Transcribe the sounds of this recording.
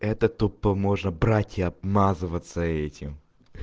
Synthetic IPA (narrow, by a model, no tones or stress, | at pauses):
ɛt̪ət̪upːəmo̞ʐnəbɾatʲɪɐbmazɨvət̪səɛtʲɪm